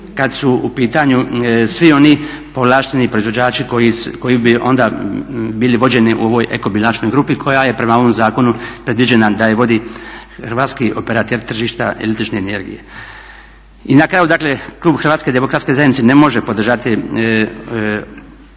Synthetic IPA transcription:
kad̪suupiːt̪aɲusʋio̞ni | po̞ʋlaːʃt̪enipɾo̞izʋo̞d͡ʑaːt͡ʃikojiko̞jibio̞nd̪abiːliʋo̞d͡ʑe̞niʔṵo̞ʋo̞jʔḛko̞bilat͡ʃno̞jɡɾuːpikʰo̞jaje̞pɾe̞maoʋomzaːko̞nupɾe̞d̪ʋid͡ʑe̞nad̪ajeʋo̞d̪ixɾʋaːt̪skiʔo̞peɾat̪eɾt̪r̩ʒiːʃt̪aḛlit̪ɾit͡ʃneene̞ɾɡḭjḛ | inakɾaːjud̪akle̞klˠuːbxr̩ʋat̪ke̞d̪e̞mo̞kɾat̪ske̞zajed̪nit̪sene̞mo̞ʒepo̞d̪r̩ʒat̪i

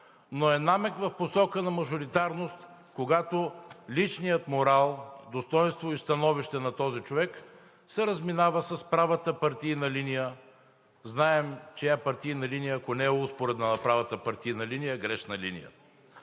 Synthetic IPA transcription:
noɛnamɛkvɐfposɔkənɐmɐʒʊɾit̪aɾnost̪ | koɡat̪olit͡ʃnijət̪moɾalˠd̪ost̪ɔjnst̪voist̪ɐnɔviʃt̪ɛnɐt̪ɔzit͡ʃovɛk | sɛɾəzminavəsɐspɾavət̪əpaɾt̪iːnɐlinijə | znaɛmt͡ʃɛapɐɾt̪iinɐlinijəːkonɛɛuspoɾɛd̪nanɐpɾavɐt̪əpɐɾt̪iinɐlinijəɡɾɛʃnɐlḭnḭjə̰

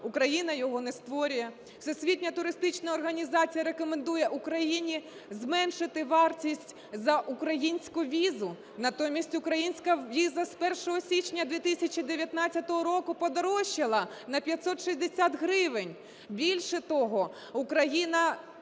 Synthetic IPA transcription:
ʊkɾɐjinɐjɔɦɔnɛst̪ʋɔɾʲʊjɛ̥ | sɛsʲʋʲitʲnʲɐt̪ʊɾɪst̪ɪt͡ʃnɐɔrɦɐnʲizɑt͡sʲijɐɾekɔmend̪ujɛʔukɾɐjinʲi | zmɛnʃɪt̪ɪʋɑrtʲisʲtʲ | zɐʔukɾɐjinʲsʲkʊʋʲizʊ | nɐt̪ɔmʲisʲtʲʊkɾɐjinʲsʲkɐʋʲizɐspɛrʃɔɦɔsʲit͡ʃnʲɐd̪ʲʋʲit̪ɪsʲɐt͡ʃid̪eʋʲjɐt̪nɑtt͡sʲːɐt̪ɔɦɔɾɔkʊpɔd̪ɐɾɔʃːɪlˠɐnɐpʲjɐtʲsɔt̪ʃizʲd̪esʲat̪ɦɾɪʋɪnʲ | bʲilʲʃɛt̪ɔɦɔ | ʊkɾɐjinɐ

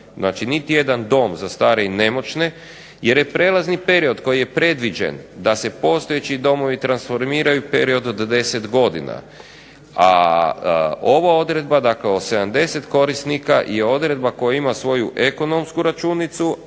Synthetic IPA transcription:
znaːt͡ʃinit̪ije̞d̪and̪o̞ːmzast̪aːɾe̞ine̞mo̞t͡ʃne̞ | je̞ɾje̞pɾe̞ːlˠaznipe̞ɾio̞d̪ko̞jije̞pɾe̞d̪ʋid͡ʒḛnd̪ase̞po̞st̪o̞jet͡ɕid̪o̞mo̞ʋit̪ɾansfo̞ɾmiːɾajupe̞ɾio̞d̪od̪ːe̞se̞t̪ɡo̞d̪ḭna̰ | a̰ | o̞ʋao̞d̪ɾe̞d̪bad̪akleose̞d̪amd̪e̞se̞t̪ko̞ɾist̪nikaje̞o̞d̪ɾe̞d̪̚bako̞jaimasʋo̞juʔe̞ko̞no̞mskuɾat͡ʃunit̪su

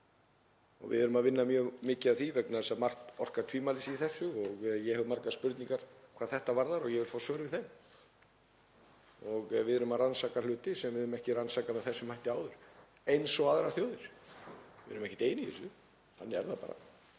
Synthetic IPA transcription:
ɔ̰ɣvɪ̰ðʏɾʏmaðvɪnːamjœːɣmɪːcɪavθivɛknaðɛsamar̥t̪ɔr̥kat̪ʰviːmalɪsiθɛsːʏɔɣjɛhɛʏmaɾkaðspʏɾt̪niŋkaɾ̥kʰvaːðθɛht̪avaɾðaɾɔɣjɛvɪlfaːwsvœːɾʏvɪðθɛn | ɔɣvɪðʏɾʏmaðransaːkalʏːt̪ɪsɛmvɪðʏɾʏmɛhcɪransaːkamɛðθɛsːʏmajht̪ɪaːwðʏɾ̥ | ejnsɔɣaðɾaθjowðɪɾ̥ | vɪðʏɾʏmɛhcɪt̪eːjnɪḛsʏ | hanːɛ̰ɾðapa̰ːɾa̰

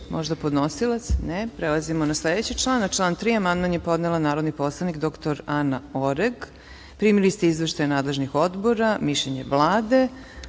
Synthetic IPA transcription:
mʔoʒd̪apo̞d̪nosilˠat̪snepɾelˠazimonasled̪et͡ɕit͡ʃlˠaːnat͡ʃlˠaːnt̪ɾiːamand̪manjepo̞d̪nelanaːɾod̪nipo̞slˠanikd̪okt̪oɾanaoɾeɡ | pɾiːmilist̪eizʋeʃt̪ajanaːd̪le̞ʒnixo̞d̪bo̞ɾamiʃeɲḛʋlˠaːd̪e̞

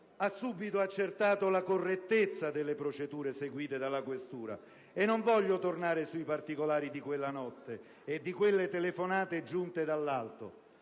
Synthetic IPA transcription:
asːuːbit̪oat͡ʃːert̪aːt̪olakorːet̪ːet̪sːad̪elːepɾot͡ʃed̪uːɾeseɡwiːt̪ed̪alːakwest̪uːɾa̰ | enːoɱvɔʎːot̪ornaːɾesuipart̪ikolaːɾid̪ikwelːanɔt̪ːe | ed̪ːikwelːet̪elefonaːt̪ed͡ʒunt̪ed̪alːalt̪o̰

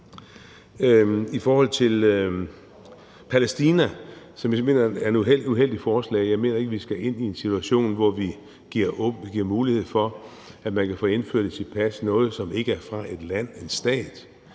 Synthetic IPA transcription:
ifɒːhɒ̽l̰t͡sʰe̝l | pʰælesd̥iːnæ | sɒ̽mjme̝̰ːnɐæɐe̝nueluɦel̰d̥ifɒːslɛ̰ːjɑ̈ɪme̝ːnɐe̝ɡ̥əʋisɡ̥æe̝n̰ie̝nsit͡sʰuæɕo̝̰ːnʋɒʋi | ɡ̥iɐ̰ɔiɡ̥iɐ̰muːlihe̝ð̞̰ˠfɒ̽ | æ̥mænkʰæfɔ̰ːe̝nfø̰ɐ̰d̥et͡sʰe̝lpʰæsnɔ̽ːð̞̩ˠsɒ̽me̝ɡ̥əæɐfʁɑ̈ʔe̝d̥læn̰e̝nsd̥ɛ̰ːd̥

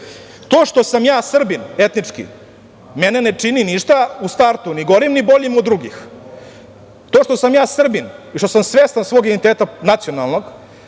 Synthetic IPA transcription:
t̪oːʂt̪o̞samjaːsr̩bine̞t̪nit͡ʂkḭ | menenet͡ʂininiʃt̪aust̪aɾt̪uniɡo̞ɾimnibo̞ʎimod̪dːɾuɡix | t̪oːʃt̪o̞samjaːsr̩biniʃt̪osamsʋeːst̪ansʋoːɡid̪ent̪eːt̪anat̪sionalˠno̞ɡ

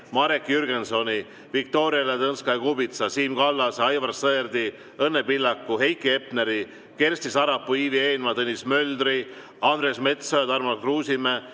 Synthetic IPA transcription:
mɑɾekːjyrɡenso̞nʲi | vik̚t̪o̞ːɾiɑlet̪ɤnskɑjkubit̪sɑsiːmkɑlːɑsɑjvɑrsːɤerd̪i | ɤnːepilːɑkːuɦe̞jkːie̞pneɾi | ke̞rsʲt̪isɑɾɑpːuiːvie̞ːnmɑt̪ɤnʲːismøld̪ri | ɑnd̪ɾesme̞t̪sojɑt̪ɑrmɑlkruːsime

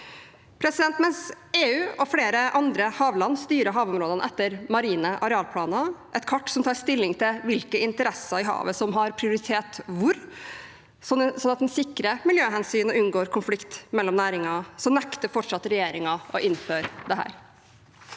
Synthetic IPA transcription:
pʰɾɛsɪd̪ɛnt̪mɛns | eːʉːɔfleːɾəʔɑnd̪ɾəhɑːʋlɑnːst̪yːɾəɦɑːʋɔmɾoːd̪ənəʔɛt̪ːəɾmɑɾiːnəʔɑɾɛɑːlpʰlɑːnɑʔɛt̪kʰɑʈːsɔmt̪ʰɑːɾst̪ɪlːɪŋt̪ʰɪlʋɪlkəɪnt̪əɾɛsɑɪɦɑ̰ːʋəsɔmɦɑɾpʰɾɪʊɾɪt̪ʰeːt̪ʋʊɾ | sɔsɔnːɑt̪̚d̪ɛnsɪkɾəmɪljøːɦɛnsyːnɔʔʉnɡoːɾkʰʊnflɪkt̪mɛlːɔmnæːɾɪŋɑsɔnɛkt̪əfɔʈʂɑt̪ːɾɛjeːɾɪŋɑɔʔɪnːføːɾd̪ɛɦæ̰ːɾ

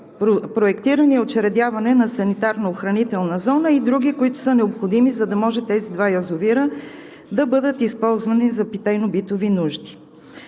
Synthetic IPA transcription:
opɾoɛkt̪iɾəniɛot͡ʃɛɾɛd̪javɐnɛnɐsɐnit̪aɾnɐoxɾɐnit̪ɛlˠnɐzɔnəid̪ɾuɡikoit̪ʊ̥sənɛopxod̪imizɐd̪ɐmɔʒɛt̪ɛzid̪vajɐzoviɾə | d̪ɐbɤd̪ət̪ispɔlˠzvɐnizɐpit̪ajnobit̪ovinuʒd̪i̥

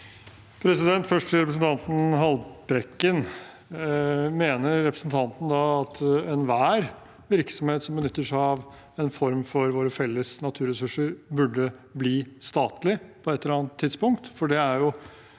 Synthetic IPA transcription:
pʰɾɛsɪd̪ɛnt̪fœʂʈʰɪɾɛpɾəs̬n̩t̪ʰɑnt̪n̩ɦɑlbɾɛkːən | meːnəɾːɛpɾəsn̩t̪ʰɑnt̪nəd̪ɑɑt̪ɛnʋæːɾ | ʋɪɾksɔmheːt̪sɔmbənʏt̪ːəʂæɪɑʋ | ɛnfɔɾmfɔɾʋoːɾəfɛlːəsnɑt̪ʰʉːɾɛsʉʂəɾbʉɖəbliːst̪ɑːt̪lɪpʰɔɛt̪lːəɾɑːɑnt̪ʰːɪd̪spʊŋk̚t̪fɔɖɛæɾjʊ

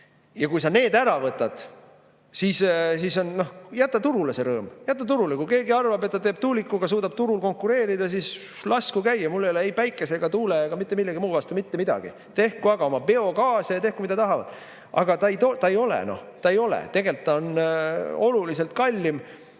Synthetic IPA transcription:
jɑkujsɑne̞ːd̪æɾɑvɤt̪ːˑɑd̪̥ | sissiso̞nno̞hjæt̪ːɑt̪uɾulese̞ɾɤːmjæt̪ːɑt̪uɾulekujke̞ːɡiɑrvɑbe̞t̪ːɑt̪eːb̥̚t̪ulikːˑuɡɑs̬uːd̪ɑb̥t̪uɾulko̞ŋkːˑuɾe̞ːɾid̪̥ɑsis | lɑskukæjːɑmulːeleejpæjkːˑeseɡ̥ɑt̪uːleɑɡ̥ɑmit̪ːˑemilːeɡimuːvɑst̪umit̪ːemid̪̥ɑ̰ɡ̥ḭ | t̪e̞hkuɑɡ̥ɑomɑpe̞o̞kɑːsejɑt̪e̞hkumid̪ɑt̪ɑɦɑvɑ̰d̪̥ | ɑ̰ɡ̥ɑt̪ɑejt̪ot̪ɑejo̞lḛno̰ht̪ɑe̞jo̞lḛt̪e̞ɡe̞lt̪ːɑon | o̞lulise̞lt̪̚kɑlʲːim

